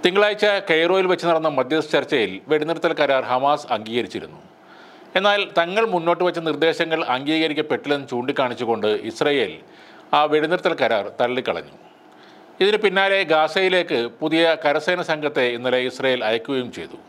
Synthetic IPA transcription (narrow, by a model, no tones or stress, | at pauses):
t̪iŋɡɐɭaːjt͡ɕːɐkejro̞ːjilʋet͡ɕːɨnɐɽɐnːɐmɐd̪ʱjɐt͡ɕɐrt͡ɕːɐjilʋe̞ɽuniɾt̪ːɐlkɐɾaːrhɐmaːsɐŋɡiːɣɐɾit͡ɕːiɾṵnːṵ | e̞nːaːlt̪ɐŋːɐɭmunːo̞ːʈːɨʋɐt͡ɕːɐnird̪e̞ːɕɐŋːɐɭɐŋɡiːɣɐɾikʲːɐpe̞ʈːilenːt͡ɕuːɳɖikːaːɳit͡ɕːuɣo̞ɳɖɨisrɐje̞ːl | aːʋe̞ɽuniɾt̪ːɐlɐkɐɾaːrt̪ɐɭːikːɐɭɐ̰ɲːṵ | iðinɨpinːaːle̞ɡaːsɐjile̞ːkːɨpuðijɐkɐɾɐseːnɐsɐŋɡʱɐt̪ːe̞inːɐle̞isrɐjeːlɐjɐkʲːuɣɐjumt͡ɕe̞̰jt̪u